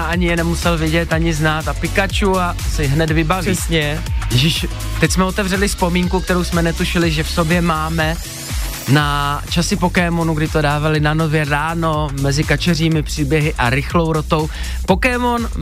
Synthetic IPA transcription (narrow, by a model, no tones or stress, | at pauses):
aʔaɲɪjɛnɛmusɛlvɪɟɛt̪aɲɪznaːt̪apɪkat͡ʃua | sɪɦnɛd̪vɪbavsɲɛʒɪʃ | t̪ɛcsmɛo̞t̪ɛvrɛlɪspo̞miːŋkuk̚t̪ɛɾowsmɛnɛt̪uʃɪlɪʒɛfso̞bjɛmaːmɛ | nat͡ʃasɪpo̞kɛːmo̞nuɡdɪt̪o̞daːvalɪnano̞vjɛɾaːno̞mɛzɪkat͡ʃɛriːmɪpr̥iːbjɛɦɪʔaɾɪxlo̞wɾo̞t̪o̞w | po̞kɛːmo̞n